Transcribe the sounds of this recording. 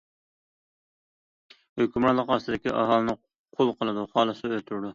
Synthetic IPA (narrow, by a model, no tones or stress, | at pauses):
høkʲymɾɑlˠːəqɑsɨd̪ɪkʲḭʔɑɦɑːlˠɨnɨ | qʰolˠqʰəlˠɨd̪uχɑːlˠɨsøt̪ʰyɾd̪u